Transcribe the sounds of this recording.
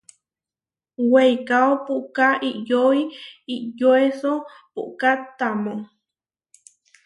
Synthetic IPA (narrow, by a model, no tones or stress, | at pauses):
wejkaopuʔkaʔiʔjoiiʔjoesopṵʔkat̪ːamo